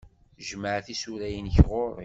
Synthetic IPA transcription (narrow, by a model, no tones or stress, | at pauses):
ʒməʕθisuɾæjənçʁoɾˤḭ